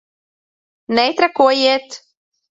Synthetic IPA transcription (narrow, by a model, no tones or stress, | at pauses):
nɛjt̪ɾakuɔjeːt̪